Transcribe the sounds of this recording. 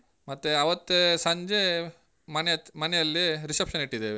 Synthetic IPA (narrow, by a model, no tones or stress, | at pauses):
mɐt̪ːeɐʋɐt̪ːesɐɲd͡ʒe | mɐnmɐnɛjɐlːiɾisepʂɐniʈːid̪eːʋe